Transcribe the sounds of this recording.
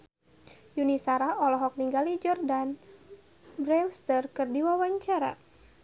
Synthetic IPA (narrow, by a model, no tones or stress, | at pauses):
junisaɾaɔlɔɦɔk̚niŋɡalid͡ʒɔrdan | bɾɛwst̪ərkɨrdiwawaɲt͡ʃaɾa̰